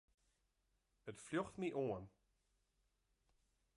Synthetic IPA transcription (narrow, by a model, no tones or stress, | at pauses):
ətfljɔxtmiʔoən